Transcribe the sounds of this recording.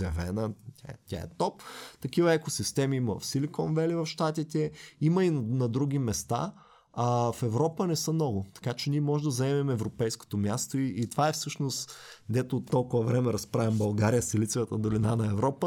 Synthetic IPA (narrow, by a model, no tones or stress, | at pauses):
ɛvɛnət̪ʲat̪ʲa̰ɛ̰t̪ɔpt̪ɐkivɐɛkosist̪ɛmiimɐvɐ̰fsilikɔnvɛlivɐfʃt̪at̪it̪ɛimɐinnɐd̪ɾuɡ̟ʲimɛst̪a̰ | fɛvɾɔpənɛsəmnɔɡʊt̪ɐ̥kat͡ʃɛniɛmɔʒɛd̪ɐzɐɛmɛmɛɛvɾopɛjsko̥t̪omjast̪oiʔːt̪ovaɛfsɤʃnost̪d̪ɛt̪oːt̪ːɔlˠkʊvɐvɾɛmɛɾɐspɾavʲɐmbɐlˠɡaɾijəsɛlit̪sɛvət̪əd̪olinanɐɛvɾɔpə